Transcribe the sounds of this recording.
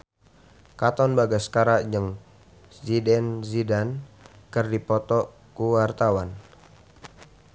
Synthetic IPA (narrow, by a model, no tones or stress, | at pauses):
kat̪ɔnbaɡaskaɾaʔd͡ʒəŋ | zidɛnzidankərdipɔt̪ɔ | kuwart̪awan